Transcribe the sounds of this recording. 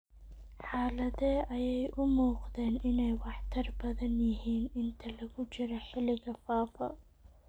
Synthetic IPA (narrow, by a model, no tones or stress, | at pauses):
ħaːlɐðɛʔɐjɛjʔʊmuːqðɛːnʔɪnɛjwɑħt̪ʰɐrbɐðɐnjɪɦiːnɪnt̪ʰɐlɐɣʊt͡ʃɪɾɐħɪlɪɣɐfaːfɐ